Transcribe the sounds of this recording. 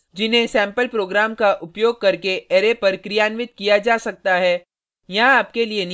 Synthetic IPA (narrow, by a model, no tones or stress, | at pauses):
d͡ʒɪnɦẽsɛ̃ːmpəlpɾoːɡɾaːmkaʔʊpjoːɡ̚kɐɾkeeːɾepɐɾkɾijaːnʋɪt̪kijad͡ʒaːsɐk̚t̪aɦɛː | jɐɦaːpkelien